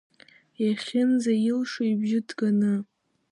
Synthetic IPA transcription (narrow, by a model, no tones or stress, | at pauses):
jaχʲɪnzajɪlʂojbʒɪdɡanɨ